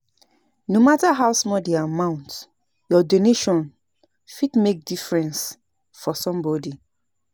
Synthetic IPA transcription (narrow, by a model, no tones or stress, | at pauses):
nomataɦawsmɔldeamãʊ̃nt | jɔdoneʃɔ̃n | fidmek̚difɹɛ̃ns | fɔsɔ̃mbɔdi